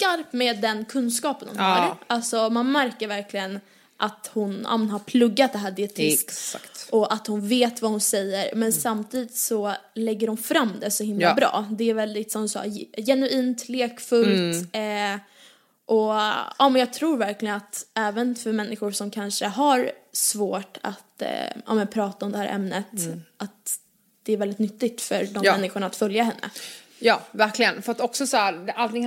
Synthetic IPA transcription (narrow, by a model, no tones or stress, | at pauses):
skaɾpmeːd̪ːɛnkʰɵnskɑːpənd̪ʊ̰mɑ̰ːɾalsɔmanmæɾkəɾvæɾkʰlɪɡən | ʔat̪hʊnɑ̰ːmɛnɦaɾpʰlɵɡːat̪̚d̪ɛɦæːɖɪɛt̪ʰɪsk̪ʔɔʔat̪hʊnveːt̪vahʊnsɛjːəɾmɛnsamt̪ʰiːd̪ɪt̪sɔlɛɡːəɾhʊnfɾamːd̪ɛsɔhɪmllabɾɑ̰ːd̪ɛæɾvɛld̪ɪt̪sɔmd̪ɵsɑ̰ːjɛnʉiːnt̪ʰleːkfɵlt̪ | ʔɔɑːmɛnjɑːɡ̚t̪ʰɾuːɾvæɾklɪɡənat̪ɛːvənfœɾmɛnːɪɧʊɾsʂɔmkʰanʂəɦaɾsvoːʈʰa̰t̪ʔɑ̰ːmɛnpʰɾɑːt̪aɔmd̪ɛhæːɾʔɛ̰mnət̪ʔat̪ | d̪̥ɛæɾvɛld̪ɪt̪nʏt̪ːɪɡ̚t̪fœɾɖɔmɛnːɪɧʊɳaːt̪fœljahɛnːə̰ | jɑːvæɾklɪɡənfœɾat̪ɔksɔsɔæɾd̪ʔalt̪ɪŋ